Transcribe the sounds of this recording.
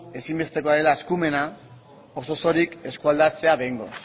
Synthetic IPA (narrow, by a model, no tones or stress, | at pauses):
e̞simbe̞st̪e̞ko̞aɾe̞laeskume̞na | oso̞so̞ɾike̞skuald̪at͡se̞aβe̞jŋɡo̞̰